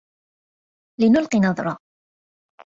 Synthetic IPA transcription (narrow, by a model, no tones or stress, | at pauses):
lɪnʊlqinɑðˤɾˤɑ